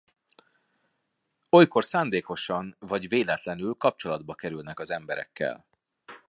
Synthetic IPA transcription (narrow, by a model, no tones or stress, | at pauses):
o̞jko̞rsaːnd̪eːko̞ʃɒnvɒɟveːlɛt̪lɛnylkɒp̚t͡ʃo̞lɒd̪̚bɒkɛɾylnɛkɒzɛmbɛɾɛ̰kːɛ̰l